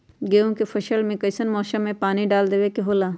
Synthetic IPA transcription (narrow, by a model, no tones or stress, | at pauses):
ɡeːũkepʰɐʃəlmẽkəɪsənmɔːsəmːẽpaːniɖaːld̪eːʋekeɦoːlaː